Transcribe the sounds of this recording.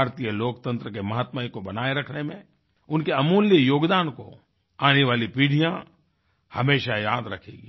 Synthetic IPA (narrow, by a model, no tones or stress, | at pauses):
ɾt̪ijəloːkt̪ə̃nt̪ɾəkemɐɦat̪maːikobɐnaːeɾɐkʰnemẽ | ʊnkeɐmuːljəjoːɡd̪aːnko̰ | aːneʋaːlipiːɽ̤ʱijã | hɐmeːʃajaːd̪ɾɐkʰḛːɡi